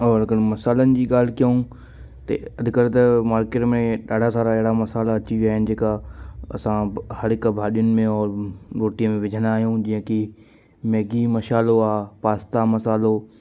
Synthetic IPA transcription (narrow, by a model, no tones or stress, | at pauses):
ɔːɾɐɡənmɐsaːlənɪ̆d͡ʑiːɠaːl̤ɪkijəũ | t̪ɐ̰ɐd̪ʱɪkəɾt̪ɐmaːɾkeːʈmẽɗaːɖʱasaːɾaɪɦɪɽamɐsaːlaːt͡ɕiʋiaːɦɪnɪ̆d͡ʑeːkaɐsãhɐɽɪkbʱaːɗijʊnɪ̆mẽɔːɾɾoːʈijəmẽʋɪd͡ʑʱənaːɦjũd͡ʑiɦə̃ki | mɛːɡimɐʃaːloaːpaːst̪amɐsaːlo